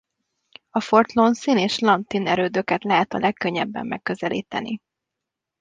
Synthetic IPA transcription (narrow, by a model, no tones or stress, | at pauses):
ɒfo̞rt̪lo̞nsineːʃlɒnt̪inɛɾøːd̪økɛt̪lɛɦɛt̪ɒlʔɛkːøɲːɛbːɛ̰mːɛkːø̞zɛlʔḭːt̪ɛni